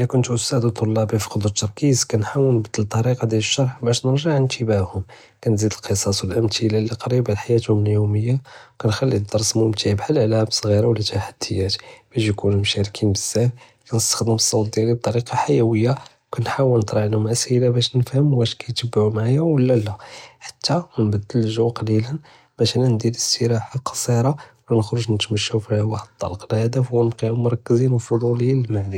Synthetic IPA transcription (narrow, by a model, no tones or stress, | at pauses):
ʔəlækʊnt̪ʔʊst̪æd̪ət̪ˤːolːɑbifi̥qod̪ˤɾt̪ːɑɾˤkizkænħawːənbət̪ːəlt̪ˤːɑɾiqɑd̪jæləʃːɑɾˤħbæʃnəɾʒəʕənt̪ʰəbaʕhʊm | kænzid̪əlqəsˤɑswəlʔəmt̪ʰilæliqɑɾibʕlħajæt̪hʊməljuməjːakænxælːid̪ɑɾˤsmʊmt̪ʰaʕbħalʕlæbsˤɣiɾɑwlːæt̪aħad̪̥ːəjːæt̪b̥æʃjkunumʃæɾkʰinbəzːæf | kænəst̪ə̥xd̪əməsˤːɑwt̪̚d̪jiɾib̚t̪ːˤɑɾiqɑħajæwəjːa | kænħawəlnət̪ˤɾˤɑʕnhʊmʔəshilabæʃnəfhəmwæʃkæjt̪əbːʕumaʕajæwəlːælæħḁt̪ːamnbæd̪ːəlʒuqɑlilən | bæʃnænd̪iləst̪əɾaħalqɑ̥sˤiɾˤɑwlænəxɾuʒnət̪mæʃːufiwɑħd̪̚t̪ːˤɑ̰lqlhæd̪æfwːnqiʕʊmʊɾˤɑkːəzinwfoluliiəlmaʕdi